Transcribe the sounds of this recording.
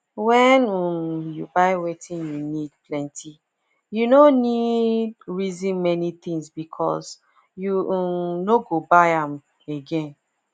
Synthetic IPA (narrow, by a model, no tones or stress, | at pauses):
wɛnumjubaɪwetʰĩnjunidplɛ̃ntʰi | junonidɹizĩnmɛnit̪ĩŋsbikʰɔ̰s | jumnoɡobaɪãm | eɡɛ̃n